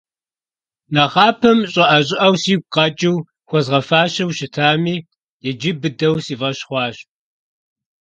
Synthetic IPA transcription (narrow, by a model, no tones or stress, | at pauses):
nɐʁɑːpʰɐmɕʼɐʔɐɕʼɪʔɐwsiːɡ̚ʷqɑt͡ʃʼɪw | xʷɔzʁɐfaːɕɐwʃɪtʰaːmiː | jɛd͡ʒɪbɨdɐwsiːvɐɕχʷɑːɕ